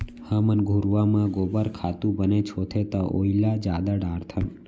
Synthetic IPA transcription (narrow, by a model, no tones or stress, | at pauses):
həmənɡʱuɾʋamãɡobəɾkʰat̪ũbənet͡ʃʰot̪ʰet̪aʔoilad͡ʒad̪aɖaɾt̪ʰən